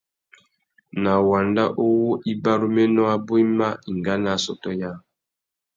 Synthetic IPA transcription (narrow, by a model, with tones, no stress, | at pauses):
na˨wa˨nda˦ʔo˦wo˦ʔi˦ba˦ɾu˦mɛ˦nɔ˦a˦bo˦i˦ma˦i˨ŋɡa˦na˦sɔ˦tɔ˦ja˦˨